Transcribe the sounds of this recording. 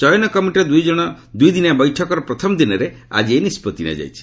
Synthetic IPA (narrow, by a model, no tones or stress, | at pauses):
t͡ʃɔjɔnɔkɔmiʈɾed̪ujd͡ʒɔɽ̃ɔ | d̪ujd̪inabɔjʈʰɔkɔɾɔpɾɔt̪ʰɔmɔd̪inɔɾe | a̰d͡ʒienispɔt̪ina̰d͡ʒa̰jt͡ʃʰi̥